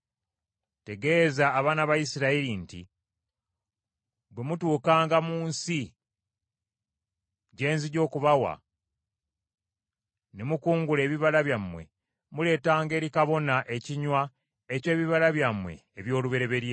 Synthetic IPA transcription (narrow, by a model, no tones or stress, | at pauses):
te̞ɡe̞ːzaːβaːnaβajisiɾailintḭ | bwe̞mutuːkaːŋɡamuːnsi | ɟe̞ːnziɟo̞ːkuβawa̰ | nemukuːŋɡule̞ːβiβalaβjamːwe̞̰ | mule̞ːtaːŋɡe̞ːɾikaβo̞naʔe̞ciɲwa | ecwe̞ːβiβalaβjamwe̞̰eβjo̞ːluβe̞ɾe̞βe̞ɾje